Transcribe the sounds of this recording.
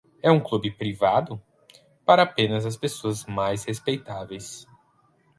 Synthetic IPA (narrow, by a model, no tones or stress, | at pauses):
ɛũklubɪpɾivad̪ʊ | paɾɐːpẽnɐzɐs̬pesoɐzmajshespejt̪avejs